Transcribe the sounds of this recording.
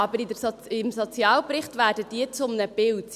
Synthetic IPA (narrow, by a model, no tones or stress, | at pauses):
ɑbəɾɪdəsɪmsot͡sjɑːlpɾɪχtʋæːɾdəd̥iət͡sʊmnəb̥ɪlt